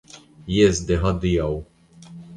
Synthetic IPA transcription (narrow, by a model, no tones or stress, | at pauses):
jɪzd̪iɦɐd̪ːɪjɐw